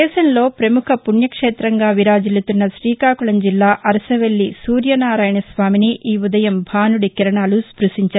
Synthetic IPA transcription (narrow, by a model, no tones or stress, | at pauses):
ɛːʃɐmlo̞ːpɾɐmukʰɐpunjɐkʂeːt̪ɾɐŋɡaːʋiɾaːd͡ʒilut̪unːɐʃɾiːkaːkuɭɐmd͡ʒilːaːʔɐɾɐsɐʋeɭːisuːɾjɐnaːɾaːjɳɐsʋaːminiʔiːud̪ɐjɐmbʱaːnuɽikiɾɐɳaːluspɾuʂiɲt͡ʃɐ